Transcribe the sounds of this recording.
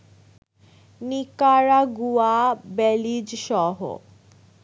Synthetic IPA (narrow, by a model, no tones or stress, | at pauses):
nikaɾaɡuabɛlid͡ʑʃɔɦo̰